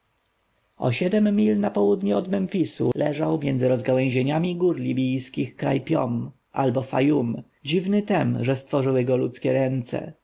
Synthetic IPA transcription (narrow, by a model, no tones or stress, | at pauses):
ɔ̰ɕɛd̪ɛmːʲilnapɔwud̪ɲɛɔd̪mɛnfʲisṵlɛʐawmʲjɛnd̪zɘɾɔzɡawɛ̃w̃ʑeɲamʲiɡuɾlʲibʲijskʲixkɾa̰jpʲjɔm | albɔfajum | d͡ʑivnɘt̪ɛmʐɛst̪fɔʐɘwɘɡɔlut̪skʲɛɾɛnt̪sɛ̰